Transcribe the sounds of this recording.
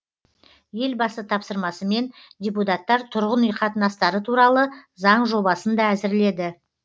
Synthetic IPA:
je̞lbɑsət̪ʰɑpsəɾmɑsəme̞nd̪ʲeput̪ɑt̪ːɑɾt̪ʰʊɾʁənijqɑt̪ənɑst̪ɑɾət̪ʰuɾɑlˠəzɑɴʒo̞bɑsənd̪ɑæzɪɾle̞d̪ɪ

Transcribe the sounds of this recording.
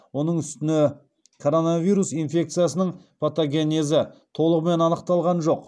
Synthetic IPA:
wo̞nəɴʏst̪ɪnɪ | kʰo̞ɾo̞navijɾusijnfʲe̞k̚t̪sɨjasənəɴpʰot̪oɡʲe̞nezɪt̪ʰo̞lˠəʁme̞nɑnəqt̪ɑlˠʁɑnʒo̞q

